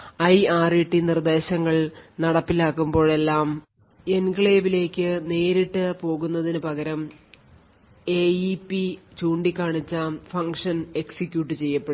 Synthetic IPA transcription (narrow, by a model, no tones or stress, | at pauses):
ɐjaːriʈːinird̪e̞ːɕɐŋːɐɭnɐɽɐpːilaːkːumbo̞ːɭe̞lːaːm | enkɭeːbile̞ːkʲːɨne̞ːɾiʈːɨpo̞ːɣunːɐðinɨpɐɣɐɾɐm | e̞ːipːit͡ɕuːɳɖikʲːaːɳit͡ɕːaːmfɐŋkʂɐne̞ksikʲjuːʈːɨt͡ɕe̞jːɐpːeɽ